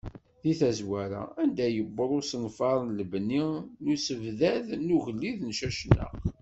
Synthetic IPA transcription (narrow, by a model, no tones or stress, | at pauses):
ðiθæzwæɾa̰ænd̪æjəbːəɾˤʊsənfɑɾˤnləbninusəvðæðnuɣəlːiðnʃæʃnːə̰ʁ